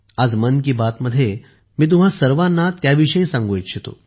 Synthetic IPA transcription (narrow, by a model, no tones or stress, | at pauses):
ad͡zmənk̬iːbat̪məd̪ʱːje | miːt̪̬um̤ɦasəɾʋanːat̪jaʋiʂəĩsãŋɡuit̪ɕʰet̪o̰